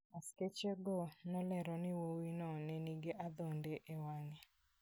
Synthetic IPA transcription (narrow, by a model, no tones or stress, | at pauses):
asket͡ʃeɡɔnɔlɛɾɔnɪwowinɔnɛniɡeʔad̪ondeʔewaŋe